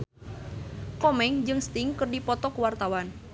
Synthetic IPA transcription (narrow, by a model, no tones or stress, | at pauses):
kɔmɛŋd͡ʒɨŋst̪iŋkərdipɔt̪ɔkwart̪awan